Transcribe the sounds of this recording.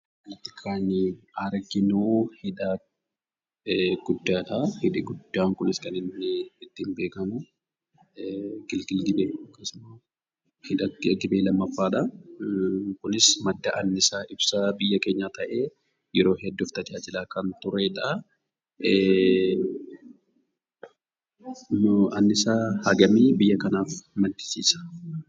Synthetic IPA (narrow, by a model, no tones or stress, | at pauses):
ɐt̪ːɪ̥kʰaːnɐɾɡɪnuːhɪᶑa | ɡ̥ʊd̪ːaːt̪ɐhɪᶑɪɡʊd̪ːaːŋkʊnɪskɐnɪnːɪːt̪ːɪmbeːkɐmʊ | ɡ̥ɪlɡɪlɡɪbeːɐkːɐsʊmɐ | hɪᶑɐt̪ːɪɡɪbeːlɐmːɐfːaːᶑɐ | kʊnɪsmɐd̪ːɐʔɐnːɪsaːʔɪbsɐbɪjːɐke̞ːɲːaːt̪ɐʔe̞ː | jɛɾo̞ːhɛd̪ːʊft̪ɐd͡ʒaːd͡ʒɪlaːkɐnt̪ʊɾeᶑɐ | ɐnːɪsaːhɐɡɐmiːbɪjːɐkɐnaːfmɐnt̪ɪ̥siːsɐ̥